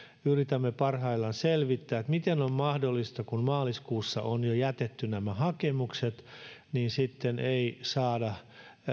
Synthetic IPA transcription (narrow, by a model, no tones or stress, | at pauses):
yrit̪æmːepɑrhɑilːɑnselʋit̪ːæːet̪mit̪enommɑhdolːist̪ɑkunmɑːliskuːsːɑ̰ʔonjojæt̪et̪ːynæmæhɑkemukset̪niːnsit̪ːeneisɑːdɑ